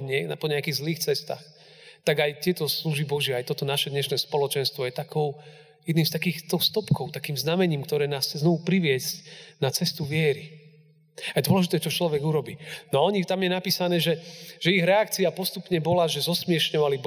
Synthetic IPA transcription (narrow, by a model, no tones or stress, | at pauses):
ɲɛnapɔɲɛakiːɣzliːxt͡sɛst̪a̰ːx | t̪aɡajt̪ɪɛt̪ɔsluʒibɔʒɛajt̪ɔt̪ɔnaʃɛd̪ɲɛʃnɛːspɔlɔt͡ʃɛnst̪ʋɔjɛt̪akɔʊ | jɛd̪niːmst̪akiːxt̪ɔwst̪ɔpkɔʊt̪akiːmznamɛɲiːmkt̪ɔɾɛːnaːst͡sɛznɔʋupɾiʋɪɛzcnat͡sɛst̪uʋɪɛɾi | ajd̪ʊɔlɛʒit̪ɛːɛt͡ʃɔt͡ʃlɔʋɛɡuɾɔbiːnɔaɔɲit̪amjɛnapiːsanɛːʒɛʒ̥ɛiɣɾɛak̚t͡siapɔst̪upɲɛbɔlaʒɛzɔsmɪɛʃɲɔʋalib